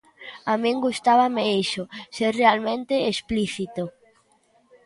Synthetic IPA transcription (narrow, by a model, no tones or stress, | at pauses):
amĩŋɡust̪aβameiʃʊseɾrealmẽnt̪eːspliθit̪o